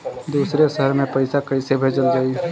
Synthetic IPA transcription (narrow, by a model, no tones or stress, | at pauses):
d̪uːsɾesəɦəɾmẽpəɪsakəɪsebʱed͡ʒəld͡ʒaːi